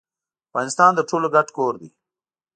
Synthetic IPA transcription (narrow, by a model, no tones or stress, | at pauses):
afɣɑnɪst̪ɑːnd̪əʈʰoːloɡaʈkoːɾd̪ḭ